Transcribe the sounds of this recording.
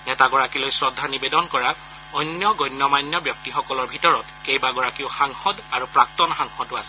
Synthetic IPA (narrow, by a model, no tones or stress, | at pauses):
nɛtaɡɔɹakilojsɹɔdʱːanibedɔnkɔɹa | ɔjnjɔɡɔjnːɔmajnjɔbjɔk̚tixɔkɔlɔɹbʱitɔɹɔtkejbaɡɔɹakiʊxaŋxɔdaɹupɹak̚tɔnxaŋxɔdasɛ